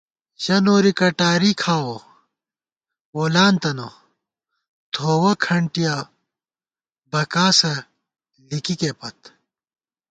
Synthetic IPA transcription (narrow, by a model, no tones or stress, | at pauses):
ɕɐnoːɾikɐʈaːɾikʰaːwo | woːlaːnt̪ɐno | t̪ʰoːwɐkʰɐɳʈija | bɐkaːsɐ | likikepɐt̪